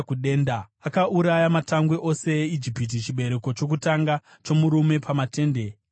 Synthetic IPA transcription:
kuɗeːndaakaʔuɾajamataŋɡwe̞ʔo̞se̞eid͡ʒipit̬it͡ʃiɓe̞ɾe̞ko̞t͡ʃo̞k̬utaŋɡa | t͡ʃo̞muɾume̞pamate̞ːnde̞

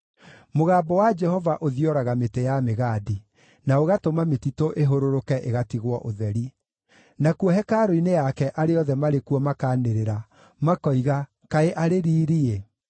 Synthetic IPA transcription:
moɣaːbɔwad͡ʒɛhɔvaʔoðiɔɾaɣametejameɣaːdi | naoɣatomametitoʔeɦoɾoɾokɛʔeɣatiɣwɔʔoðɛɾi | nakuɔɦɛkaɾoinejakɛʔaɾeɔðɛmaɾekuɔmakaːneɾeɾa | makɔiɣa | kaeʔaɾeɾiːɾie

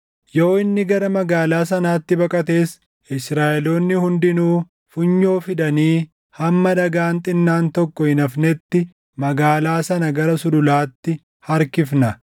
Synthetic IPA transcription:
jo̞ːɪnːɪɡɐɾɐmɐɡaːlaːsɐnaːt̪ːɪbɐkʼɐt̪e̞ːs | ɪsɾaːʔɛlo̞ːnːɪhʊnd̪ɪnuː | fʊɲːo̞ːfɪd̪ɐniː | hɐmːɐd̪ɐɡaːnt̪ʼɪnːaːnt̪ɔkːɔhɪnɐfnɛt̪ːɪ | mɐɡaːlaːsɐnɐɡɐɾɐsʊdʊlaːt̪ːɪ | hɐɾkɪfnɐ

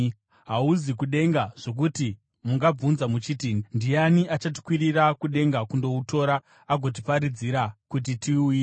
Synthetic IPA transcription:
ɦauzikuɗe̞ŋɡaʐ̥o̞k̬uti | muŋɡab͡vunzamut͡ʃiːtindianiʔat͡ʃat̬i̥kwiɾirakuɗe̞ŋɡakundo̞uto̞ːɾa | aɡʱo̞t̬ipaɾid͡ziɾakut̬itiuːje

